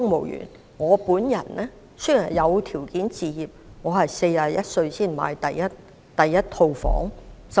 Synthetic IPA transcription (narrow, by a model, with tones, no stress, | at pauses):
ʊ˥ŋmo˨˩wjy̰ː˨˩n | ŋɔː˨˧puː˨˥njɐ̰˨˩nlɛː˥ | sɵ˥jhɐ˨˩jɐ˨˧wt̪ʰiː˨˩wkiː˨˥nt͡siː˨˧jiː˨p̚ŋɔː˨˧hɐ˨jse˧jaː˨jɐ˥t̚sɵ˧ɥsiː˥˩nma̰ː˨˧jt̪ɐ˨jːɐ˥t̚ | t̪ɐ˨jːɐ˥t̚t̪ʰo˧wfɔ̰ː˨˥ŋs